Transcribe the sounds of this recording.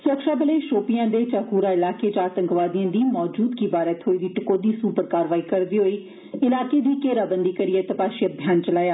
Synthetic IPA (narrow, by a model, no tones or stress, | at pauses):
sɾəkʃaːbəleːʃoːpɪjãːd̪eːt͡ʃaːkuːɾaːɪlaːkeːd͡ʒãːt̪ə̃ŋkʋaːd̪ɪjãːd̪iːmɔːd͡ʒuːd̪kiːbaːɾət̪ɦoːiːd̪iːʈɪkoːd̪iːsuːpəɾkaːɾʋaːiːkəɾd̪iːɦoːiː | ɪlaːkeːd̪iːkeːɾaːbənd̪iːkəɾijeːt̪əpaːʃiəbʱjaːnt͡ʃəlaːjaː